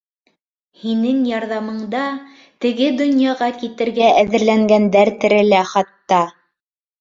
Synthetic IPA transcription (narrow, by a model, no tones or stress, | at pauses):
hinɘŋjɑɾðɑmɤ̆ɴd̪ɑ | t̪ɘ̆ɡɘd̪ŏnjɑʁɑkit̪ɘ̆ɾɡæʔæðɘ̆ɾlæŋɡænd̪æɾt̪ɘ̆ɾɘ̆læχɑt̪ːɑ